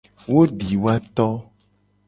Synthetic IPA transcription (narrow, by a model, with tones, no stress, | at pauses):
wo˦ɖi˨wa˦t̪ɔ˦